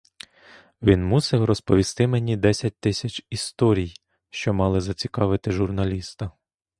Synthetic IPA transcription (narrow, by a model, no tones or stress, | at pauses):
ʋʲinmusɛwrɔspɔʋʲist̪ɪmenʲid̪ɛsʲɐt̚ʲt̪ɪsʲɐt͡ʃʲist̪ɔɾʲij | ʃt͡ʃɔmɑlˠɪzɐt͡sʲikɑʋɪt̪ɪʒʊrnɐlʲist̪ɐ